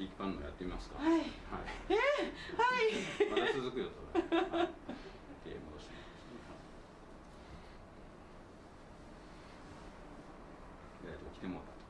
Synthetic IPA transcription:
ikʲi̥pãnːoo̰jat̪ːeimasɨ̥ka̰aiha̰ḭehaiaasɨzɨkɯ̟jot̪o | t̪ḛmod̪oɕmaost̪ | iɡaɾit̪okʲi̥t̪emoɾat̪

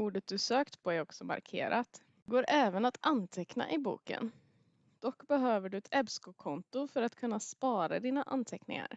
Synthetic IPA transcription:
uːɖət̪̚d̪ɵsøːkt̪pʰɔæɾɔksɔma̰ɾkʰḛːɾʔat̪ | ɡoːɾʔɛːvənat̪anːt̪ʰɛkna̰ʔɪbṵːkə̰n | d̪̥ɔkːbɛɦøːvəɖɵɛt̪ʰɛbskʊkʰɔnt̪ʊfœɾat̪kʰɵnːaspɑːɾad̪iːnaʔa̰nt̪ʰɛknɪ̰ŋa̰ɾ

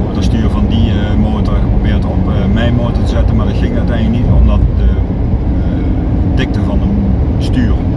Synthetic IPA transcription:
ɔdəstyːrəvɑndi | moːtərxəprobɪːtɔpmɛjmoːtətəzɛtənmaːɹdɪtxɪŋœɥtɛjnləknitomdɔtə | tɪk̚təvɑnən | styːr

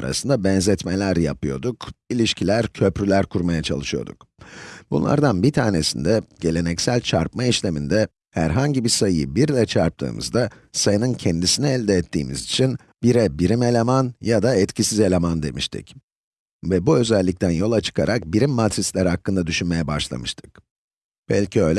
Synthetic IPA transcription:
ɾa̰sɯnd̪abɛnzɛt̪melʲæɾja̰pʰɯjo̞d̪ukilʲiʃcʰilʲæɾcʰø̞pɾylʲæɾkʰuɾmajat͡ʃʰa̰lˠɯʃɯjo̞̰d̪ṵk | b̥ṵnlˠa̰ɾd̪anbit̪ʰaːne̞sind̪ɛɟ̥e̞lʲe̞nɛcsælʲt͡ʃʰaɾpmaiʃlʲe̞mind̪ɛ | hæ̰ɾɦaɲɟibisajɯɯbiɾlʲɛt͡ʃʰaɾp̚t̪ʰɯ̰ːmɯ̰zd̪a | sajɯnɯncʰɛnd̪isinɛɛlʲd̪ɛːt̪ʰːḭːmizit͡ʃʰin | biɾɛbiɾime̞lʲemanjad̪aɛt̪cʰisize̞lʲemand̪e̞miʃt̪ʰḭc | vɛbuø̞zɛlʲːic̚t̪ʰænjo̞lˠat͡ʃʰɯ̥kʰa̰ɾak̚biɾimːat̪ʰɾislʲæɾhakːɯnd̪ad̪yʃynme̞jɛba̰ʃlˠa̰mɯʃt̪ʰɯ̥k̚ | b̥ɛ̰lʲcʰiøjlʲɛ

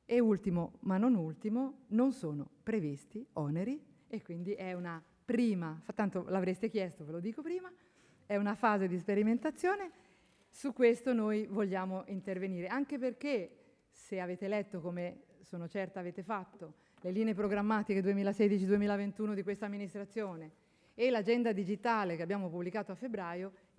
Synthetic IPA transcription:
eult̪imomanːonult̪imononsoːnopɾevist̪iɔneɾi | ekːwind̪iʔɛuna | pɾiːmafɾat̪ːant̪olavɾest̪ek̟jɛst̪ovelod̪iːkopɾiːma | ɛunafaːzed̪is̬peɾiment̪at̪sːjoːne | sukːwest̪onojvoʎːaːmoʔint̪erveniːɾeaŋkeperk̟e | seaveːt̪elɛt̪ːokomesoːnot͡ʃɛrt̪aveːt̪efat̪ːo | leliːneep̬ɾoɡɾamːaːt̪iked̪uemiːlased̪it͡ʃid̪uemiːlavent̪uːnod̪ikwest̪amːinist̪ɾat̪sːjoːneː | lad͡ʒɛnd̪ad̪id͡ʒit̪aːlekeabjaːmopublikaːt̪oafːebɾaːjo

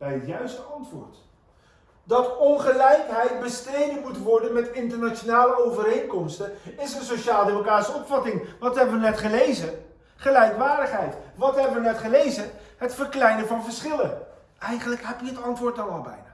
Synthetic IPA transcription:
b̥ɛjətjœɥstəɑntʋʊ̰ːɹt | dɑtɔnχəlɛjkɦɛjt̚bəstrejdəmutʋɔɹdənmɛtɪntəɹnat͡ʃonaːləowvəɾejŋkɔmstəɪsənsoʃaːlˠdeːmokaːtsəɔpfɑtɪŋʋɑtɦɛbəʋənɛtχəlejzə | χəlɛjkʋaːɹdəχɦɛjtʋɑtɦɛbəʋənɛtχəlejzəɦətfəɹklɛjnəvɑnvəɹsχɪlən | ʔɛjχənləkɦɛpjəətɑntʋʊːɹtɑnɑlˠbɛ̰jnaː

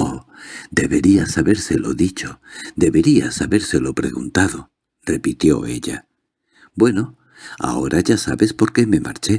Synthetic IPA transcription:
od̪e̞βe̞ɾiasaβe̞ɾselo̞ðit͡ʃod̪e̞βe̞ɾia̰saβe̞ɾse̞lo̞pɾe̞̰ɣunt̪aðo̞ | re̞pit̪jo̞e̞ʎa | bwe̞no̞ | a̰o̞̰ɾʔaʝasa̰βe̞spo̞ɾke̞me̞ma̰ɾt͡ʃe

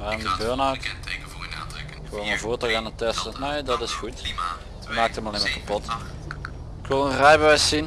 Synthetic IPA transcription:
ʋaːɪndəbøːɹnawt | ɪkʋɪolməvoːɹtəɣaːnətɛstəneːdɑtɪsxut | əmaːk̚təmɑlemaɹkapɔt | ɪkʋɪlˠənrɛjbœjssin

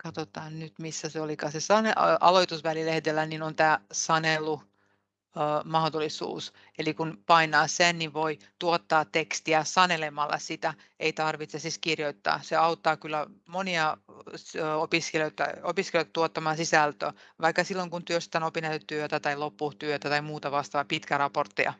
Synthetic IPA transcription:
kɑt̪ot̪ɑːnnyt̪misːæseolikɑːsesɑneʔɑ̰loit̪usʋælilehd̪elːæninont̪æːsɑnelːˑu | əːmɑhd̪olisṵːs | elikunpɑinɑːsenniʋʋoi | t̪uot̪ːɑːt̪ekst̪iæsɑnelemɑlːʔɑ̰sit̪æ | eit̪ɑrʋit̪sesiskirjoit̪ːɑ̰ːseɑut̪ːɑːkylːæmoniɑ | opiskeløt̪ːɑ̰opiskeløt̪ɑt̪uot̪ːɑmɑːnsisælt̪ø̰ʋɑikːɑsilːoŋkunt̪yøst̪t̪ænopinɑt̪yt̪yøt̪æt̪ɑilopːut̪yøt̪æt̪ɑimuːt̪ɑʋɑst̪ɑʋɑpit̪kærɑport̪ːiɑ̰

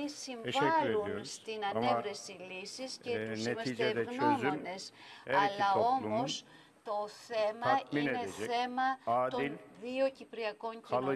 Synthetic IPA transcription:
isiɱvɐluniost̪inɐnevɾesilisiscenemɐid͡ʒed̪ɛɣnnømzyone̞s | ɐlɐo̞muos | t̪o̞θe̞mɐiineneɛθe̞mɐadt̪ilʲðio̞cipɾiɐko̞ɲci

